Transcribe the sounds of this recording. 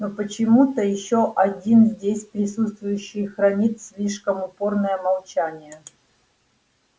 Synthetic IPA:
nopət͡ɕɪmut̪əjɪɕːoʔɐdʲinzʲdʲesʲpɾʲɪsut̪st̪vʊjʉɕːɪjxɾɐnʲit̪sʲlʲiʂkəmʊpo̞rnəjəmɐlˠt͡ɕanʲɪjə

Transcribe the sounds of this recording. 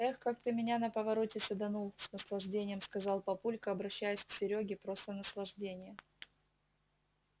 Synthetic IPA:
ɛxkakt̪ɨmʲɪnʲanəpəvɐɾo̞tʲɪsəd̪ɐnulˠsnəslˠɐʐdʲenʲɪjəmskɐzɑlˠpɐpulʲkəɐbɾɐɕːæjʊsʲksʲɪɾʲoɡʲɪpɾo̞st̪ənəslˠɐʐdʲenʲɪjə

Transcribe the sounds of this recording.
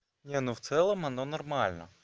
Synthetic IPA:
nʲɛnuwt̪sɛlˠɐmɐnɔnɔrmɑlʲnɔ̰

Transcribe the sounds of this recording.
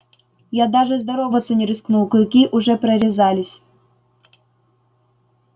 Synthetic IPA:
jad̪aʐɨzd̪ɐɾovət̪sənʲɪɾʲɨsknulˠkˠkʲiʔʊʐɛpɾɐɾʲɪzalʲɪsʲ

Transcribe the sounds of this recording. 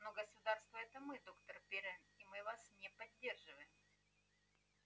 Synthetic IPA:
noɡəsʊd̪arst̪vəɛt̪əmɨd̪o̞kt̪ərpʲeɾəmimɨvasnʲepɐdʲːe̞rʐɨvəjɪm

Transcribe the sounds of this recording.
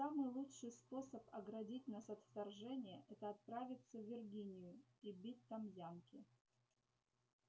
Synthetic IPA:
samɨjlˠutʂɨjspo̞səpɐɡɾɐdʲitʲnasɐt̪ft̪ɐrʐɛnʲɪjəʔɛt̪əɐt̪̚pɾavʲɪt̪səvʲɪrɡʲinʲɪjʊibʲit̚ʲt̪amjankʲɪ

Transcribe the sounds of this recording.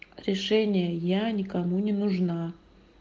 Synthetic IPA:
ɾʲɪʂɛnʲɪjəjanʲɪkɐmunʲɪnʊʐna

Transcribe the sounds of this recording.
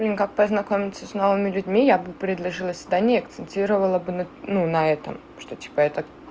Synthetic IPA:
lʲɪnʲkak̚pəznɐkomʲɪt̪səsʲno̞vɨmʲɪlʲʉdʲmʲijabɨpɾʲɪd̪lˠɐʐɨlˠəsʲɪd̪anʲɪɐkt̪sɨnʲtʲiɾəvəlˠəbɨnɐnunɐɛt̪ə̰m | ʂt̪otʲi̥pəɛt̪ə

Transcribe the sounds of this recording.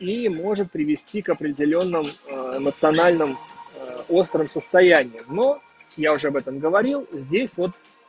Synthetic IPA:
imo̞ʐɨt̪̚pɾʲɪvʲɪsʲtʲikɐpɾʲɪdʲɪlʲo̞nːɨmɪmət̪sɨɐnalʲnɨm | o̞st̪ɾəmsəst̪ɐjænʲɪjɪmno̞ | jaʊʐɛɐbɛt̪əmɡəvɐɾʲilˠzʲdʲesʲvo̞t̪

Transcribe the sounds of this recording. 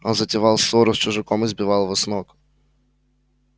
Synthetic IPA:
onzətʲɪvɑlˠsoɾʊst͡ʃʊʐɨkomɨzbʲɪvɑlˠvɔsnok

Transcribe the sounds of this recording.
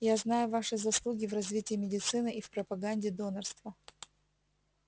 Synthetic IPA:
jaznajʊvaʂɨzɐslˠuɡʲɪvrɐzvʲitʲɪːmʲɪdʲɪt̪sɨnɨʔifpɾəpɐɡanʲdʲɪd̪o̞nərst̪və

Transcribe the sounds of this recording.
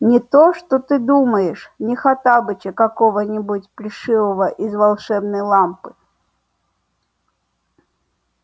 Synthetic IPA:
nʲɪt̪oʂt̪ot̪ɨd̪uməjɪʂnʲɪxat̪abɨt͡ɕɪkɐkovənʲɪbutʲpɾʲɪʂɨvəvəʔɪzvɐlˠʂɛbnəjlˠampɨ

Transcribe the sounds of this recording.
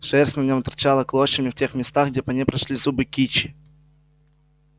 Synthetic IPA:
ʂɛrsʲtʲnɐnʲomt̪ɐɾrt͡ɕalˠəklˠoɕəmʲɪftʲe̞xmʲɪst̪aɣɡ̚dʲeɛpɐnʲepɾɐʂlʲizubɨkʲit͡ɕɪ̥

